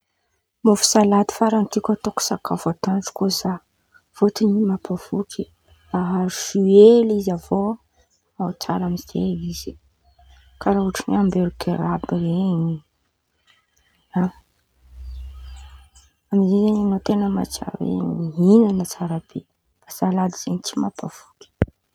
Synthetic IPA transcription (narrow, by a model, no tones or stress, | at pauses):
mofu̥salad̪i̥faɾant̪ikʲat̪oku̥sakʰafat̪anʈ͡ʂu̥koza | v̥ot̪inimapavukʰi | aɦaɾuʃuelizavo | at͡sa̰ɾamizḛiz̥i̥ | kaɾauʈ͡ʂineambeɾukʰeɾabireɲi | a | amizizeɲanot̪enəma̰t͡ʃa̰ɾwḛɲmiɦinənət͡saɾab̥e | b̥az̥alad̪iz̥eɲit͡simapav̥uki̥